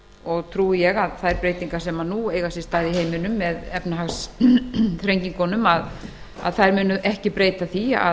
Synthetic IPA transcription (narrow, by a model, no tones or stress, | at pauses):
ɔɣt̪ʰɾuːɪjɛɣaðθaðɛɾpɾeːjt̪iŋkasɛmanueːjɣasɪst̪aːðiheːjmɪnʏmːɛðɛpnaɦaxs | θɾejɲciŋkɔnʏmað | a̰ðθaðɾmʏːnʏʔɛhcɪpɾeːjt̪aθia̰